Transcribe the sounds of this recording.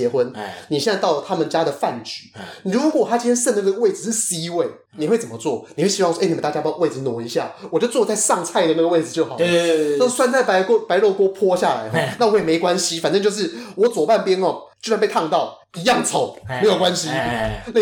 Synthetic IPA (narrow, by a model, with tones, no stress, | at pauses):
ɛ˧˥xwə˦˥nni˨ɕjɛ˥˧nt͡sa˥ɪt̪ɑ˥˩ʊlə˩t̪ʰa˥mə˨nt͡ɕja˥d̪ə˨fa˥˨˩nt͡ɕy˨˩˦ɻu˧˥kwɔ˨˩t̪ʰa˥t͡ɕi˥˧˥t̪ʰjɛ˥ʂə˥˩nd̪ɡə˧˩ɡə˧we˥˩ɪd͡z̩˨˧ʂɻ̩˥˩si˥˧˥we˥˩ɪ | ni˨˩xwe˥˩t͡sə˨˩mə˦t͡swɔ˥˩ni˨xwe˥˩ɕi˥ɑ˥˧ŋswni˨˩mə˦t̪a˥˧t͡ɕja˥˧we˥˩ɪd͡zɹ̩˨˩nwɔ˨˩ŋi˧˥ɕja̰˥˩wt͡ɕo˥˧ʊt͡swɔ˥˧˩t͡sa˥˧ɪʂɑ˥˧ŋt͡sʰa˥˧ɪd̪ə˨na˥˩ɡə˧we˥˩ɪd͡zɹ̩˨˩t͡ɕjo˥˩ʊxɑ˨˩a˥˧swa˥˧nt͡sa˥˩ɪpa˧˥ɪkɔ˥pa˧˥ɪɻo˥˩ʊkwɔ˥pʰwɔ˥ɕja˥˨la̰˧˦ɪxɔ˧˦˧na˥˩wɔ˧˥˨me˧˥ɪkwa˦nɕi˦fa˨nʈ͡ʂɤ˥˧ŋt͡ɕjo˥˧ʂɻ̩˥˩wɔ˧˥t͡swɔ˨˩pa˥˨npjɛ˥nɔ˨˧t͡ɕjo˥˧swa˥˧npe˥˧ɪt̪ʰɑ˥˧ŋt̪ɑ˥˩ʊ | i˧˥jɑ˥˩ŋt͡sʰo˨˩˦ʊme˧˥jo˨˩kwa˦nɕi˦na˥